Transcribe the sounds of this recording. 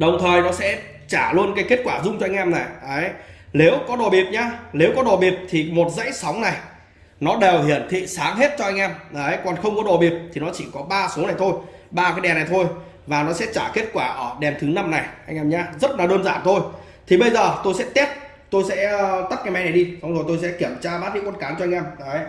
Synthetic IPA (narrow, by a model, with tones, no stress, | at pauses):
ɗə˨˩wŋ͡mt̪ʰəː˨˩jnɔ˨˦sɛ̰˧˥ | t͡ɕaː˧˩lu˧ənkaː˨˦jke˦˥ət̚kwaː˧˩zʊ˧ŋ͡mt͡ɕɔ˧a˧jŋ̟ʔɛ˧mna˨˩jʔə˨˦jle˨˦wkɔ˨˦ɗo˨˩ɓi˨˩əp̚ɲaː˧le˨˦wkɔ˨˦ɗo˨˩ɓi˨˩əp̚t̪ʰi˨˩mo˨˩t̚zə̰˧˥jsa˨˦wŋ͡mna˨˩j | nɔ˨˦ɗe˨˩wɦḭ˧˩ənt̪ʰḭ˧˨saː˨˦ŋɦe˦˥t̚t͡ɕɔ˧ʔa˧jŋ̟ʔɛ˧mʔə˨˦jkɔ˨˩nxə˧wŋ͡mkɔ˨˦ɗo˨˩ɓi˨˩əp̚t̪ʰi˨˩nɔ˨˦t͡ɕi˧˩kɔ˨˦ɓaː˧so˨˦na˨˩jt̪ʰo˧jɓaː˧kaː˨˦jɗɛ˨˩na˨˩jt̪ʰo˧j | vaː˨˩nɔ˨˦sɛ̰˧˥t͡ɕaː˧˩ke˦˥ət̚kwaː˧˩ʔəː˧˩ɗɛ˨˩nt̪ʰɨ˨˦na˧mna˨˩jʔa˧jŋʔɛ˧mɲaː˧zə˦˥t̚naː˨˦ɗəː˧nzaː˧˩nt̪ʰo˧j | t̪ʰi˨˩ɓə˧jzəː˨˩t̪o˧jsɛ̰˧˥t̪i˦˥əp̚ | t̪o˧jsɛ̰˧˥˧t̪ə˦˥p̚kaː˨˦jmɛ˨˦jna˨˩jɗi˧sa˨˦ŋ͡mzo˨˩jt̪o˧jsɛ̰˧˥ki˧˩əmt͡ɕaː˧ɓaː˦˥t̚zḭ˧˥˦kwnkaː˨˦ŋt͡ɕɔ˧jŋʔɛ˧mʔə˨˦j